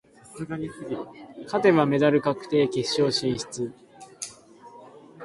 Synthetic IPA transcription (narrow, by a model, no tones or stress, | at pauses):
kat̪e̞βame̞d̪aɾɯ̟kakɯ̟̥t̪e̞ːke̞ɕːo̞ːɕĩɰ̃ɕi̥t͡sɨ